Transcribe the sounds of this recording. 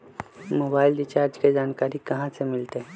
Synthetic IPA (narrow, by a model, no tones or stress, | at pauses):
moːbaːɪlɖɪt͡ʃaːɾd͡ʒked͡ʒaːnkaːɾikɐɦãsemɪlt̪eɦɛ̃